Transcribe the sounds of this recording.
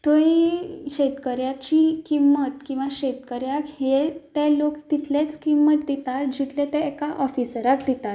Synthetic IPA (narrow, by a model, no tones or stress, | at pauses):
t̪oiɕet̪kəɾjat͡ɕikimːət̪kĩw̃ʋaɕet̪kəɾjakhet̪ɛlokt̪it̪let͡skimːət̪̚d̪et̪at̪̚d͡ʑit̪let̪ɛ̃ekaʔɔfisəɾakd̪et̪at̪